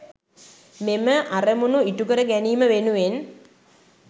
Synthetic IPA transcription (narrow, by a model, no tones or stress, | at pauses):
meməʔaremunuiʈukəɾəɡæniːməʋenuʋen